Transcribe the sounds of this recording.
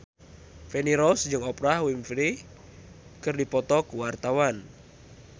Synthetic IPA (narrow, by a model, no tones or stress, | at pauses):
fɛniɾɔsd͡ʒɨŋɔpɾahwimfɾi | kɨrdipɔt̪ɔkuwart̪awan